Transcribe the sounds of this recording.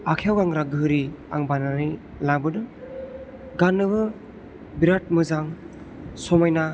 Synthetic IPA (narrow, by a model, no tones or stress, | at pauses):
akʰijawɡaŋɾaɡɯɾiaŋbanaɾi | laŋbɯdɯ | ɡanːɯbɯ | biɾat̚mɯzaŋ | sɔmajna